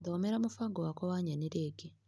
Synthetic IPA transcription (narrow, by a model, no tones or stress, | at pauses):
doːmeɾamufaɡowakowaːɲaneɾeɡe